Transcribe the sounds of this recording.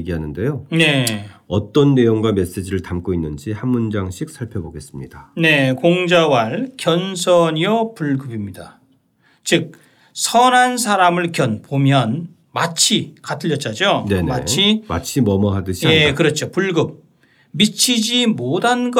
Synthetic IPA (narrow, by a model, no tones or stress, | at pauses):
ɡiɦanɯnde̞jone̞ʌt͈ʌnːe̞joŋɡwame̞s͈e̞d͡ʑiɾɯɭtamk͈oinːɯnd͡ʑihamːund͡ʑaŋɕʰik̚sʰaɭpʰjʌboɡe̞s͈ɯmɲid̥ane̞koŋd͡ʑawaɭkjʌnsʰʌɲiopuɭɡɯbimɲida | t͡ɕɯk̚ | sʰʌnɦansʰaɾamɯɭkjʌnpomjʌn | mat͡ɕʰikatʰɯʎːʌt̚t͡ɕ͈ad͡ʑonenma̰t͡ɕʰimat͡ɕʰimʌmʌɦadɯɕʰijaekɯɾʌt͡ɕʰopuɭɡɯp̚ | mit͡ɕʰid͡ʑimodʱanɡ